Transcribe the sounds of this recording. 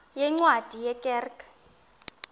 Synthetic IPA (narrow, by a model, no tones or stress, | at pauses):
jɛŋ͡ǀwad̥ʱijɛkʼɛːrk